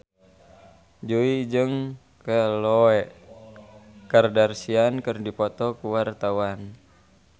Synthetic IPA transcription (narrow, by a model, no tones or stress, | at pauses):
d͡ʒuid͡ʒɨŋ | kəloɛʔ | kardarsiankərdipɔt̪ɔkuwart̪awan